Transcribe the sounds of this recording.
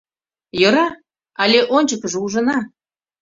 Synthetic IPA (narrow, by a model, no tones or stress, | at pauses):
jɤɾɑ | ɑlʲeʔonʲt͡ɕəkəʒuʒɤ̆nɑ